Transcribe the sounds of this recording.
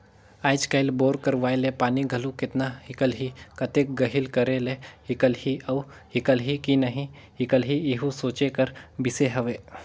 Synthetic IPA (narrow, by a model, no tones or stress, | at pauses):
aːɪt͡ʃkaɪlboːɾkəɾʋaːelepaːniɡʱɐlukɪt̪nahɪkəlɦikɐt̪ek̚ɡɐɦɪlkɐɾelehɪkəlhiɐw | hɪkəlɦikinɐɦĩ | ɦɪkəlɦiɪɦũsoːt͡ʃekɐɾbɪseɦɐʋeː